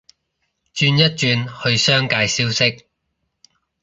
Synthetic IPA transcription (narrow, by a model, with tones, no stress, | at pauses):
t͡ʃyː˥˧njɐ˥t̚t͡ʃyː˧nhɵ˧ɥsœː˥ŋkaː˧jsiː˥wsɪ˥k̚